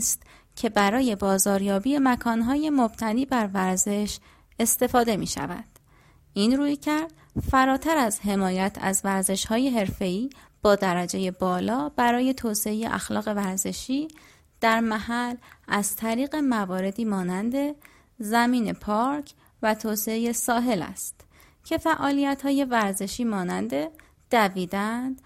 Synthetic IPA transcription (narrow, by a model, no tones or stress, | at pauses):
st̪ | cʰe̞bæɾɒːje̞bɒːzɒːɾjɒːbiːemækʰɒːnɦɒːje̞mob̥t̪ʰæniːbæɾvæɾze̞ʃ | e̞st̪e̞fɒːd̪e̞mḭːʃæ̰væ̰d̪̥ | ʔiːnɾuːjcʰæɾd̪̥ | fæɾɒːt̪ʰæɾæzɦe̞mɒːjæt̪ʰæ̰zvæɾze̞ʃhɒːje̞ɦe̞ɾfe̞iː | b̥ɒːd̪æɾæd͡ʒe̞je̞bɒːlɒːbæɾɒːje̞t̪ʰoːseejḛʔæ̰xlɒ̰ːɣe̞væɾze̞ʃiː | d̪̥æɾmæhælʔæzt̪ʰæɾiːɣe̞mævɒːɾe̞d̪iːmɒːnænd̪e̞ | zæmiːne̞pʰɒːɾcʰ | væt̪ʰoːseeje̞sɒːɦe̞læ̰st̪ | cʰe̞fæʔɒːlijæt̪hɒːje̞væɾze̞ʃiːmɒːnænd̪e̞ | d̪̥æviːd̪ænd̪̥